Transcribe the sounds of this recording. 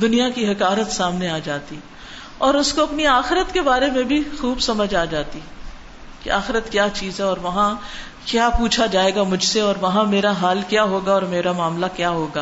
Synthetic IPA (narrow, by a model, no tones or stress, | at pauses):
d̪ʊnijakiɦɐkaːɾət̪saːmneaːd͡ʒaːt̪i | ɔːɾʊskoɐpniaːxɪɾət̪kebaːɾemẽbʱixuːbsɐməd͡ʒaːd͡ʒaːt̪i | keaːxɪɾət̪kjaːt͡ʃiːzɦɛɔːɾʋɐɦã | kjaːpuːt͡ʃʰad͡ʒaːeːɡamʊd͡ʒʱseɔːɾʋɐɦãmeːɾaɦaːlkjaːɦoːɡaɔːɾmeːɾamaːmlakjaːɦoːɡaː